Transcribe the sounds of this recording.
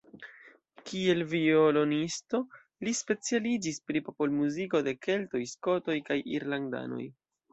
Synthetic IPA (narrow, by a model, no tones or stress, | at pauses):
kie̞lviolo̞nisto̞ | lispe̞t͡sialid͡ʒispɾipopo̞lmuziko̞de̞ke̞lto̞jsko̞to̞jkajiɾlanda̰no̞̰j